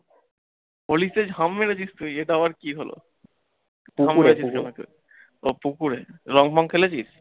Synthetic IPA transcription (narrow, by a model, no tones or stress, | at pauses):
polised͡ʑɦamːeɾet͡ɕist̪uieʈaabaɾkiɦolo̰ | ameɾet͡ɕʰikenakḛ | opukuɾeɾɔŋbʱɔŋkʰelet͡ɕʰiʃ